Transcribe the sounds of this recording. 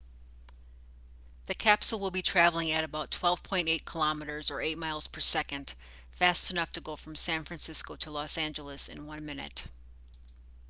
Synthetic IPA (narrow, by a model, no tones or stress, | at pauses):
ðɨkʰæpsl̩ˠwəlˠbitʰɹ̥ævl̩ˠɪ̃ŋɨɾɨbaʊtʰw̥ɛlˠv̥pʰɔ̃ɪ̃nteɪt̚kʰəlɑmɨɾə˞zə˞eɪt̚maɪlˠz̥pʰə˞sɛkɨ̃nd̥ | fæstɨnʌftʰɨɡoʊfɹʌ̃msæ̃nfɹæ̃nsɪskoʊɾəlɔsæ̃nd͡ʒəl̩ˠəsɨ̰̃nwʌ̃nmɪ̃nɨ̰t